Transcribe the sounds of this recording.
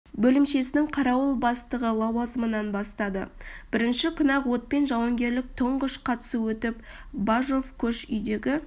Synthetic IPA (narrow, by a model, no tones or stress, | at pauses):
bɵlɪmʃe̞sɪnɪŋqʰɑɾɑwəlˠbɑst̪əʁəlˠɑwɑzəmənɑnbɑst̪ɑd̪ə̰b̥ɪɾɪnʃɪkʰʲʊnɑqwo̞t̪̚pe̞nʒɑwɑŋɡʲe̞ɾlɪk̚t̪ʰəɴʁəʃqʰɑt̪ə̥suwɵt̪ɪp̚ | baʒo̞fkʲʰɵʃʏjd̪e̞ɡʲɪ